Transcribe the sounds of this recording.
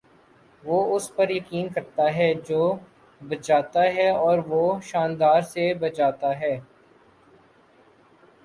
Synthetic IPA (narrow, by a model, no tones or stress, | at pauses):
ʋoːʊspɐɾjɐkiːnkɐɾt̪aɦɛːd͡ʒoː | bɐd͡ʒaːt̪aɦɛɔːɾʋoːʃaːnd̪aːɾsebɐt͡ʃaːt̪aɦɛː